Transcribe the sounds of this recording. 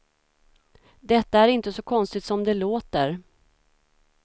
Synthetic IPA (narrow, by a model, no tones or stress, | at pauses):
d̪ɛt̪ːaæɾɪnt̪əsɔkʰɔnst̪ɪt̪sɔmd̪ɛloːt̪əɾ